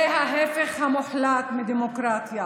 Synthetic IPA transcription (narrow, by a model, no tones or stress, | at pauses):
ɦaɦefeχhamoħlat̪mid̪emokɾat̪ja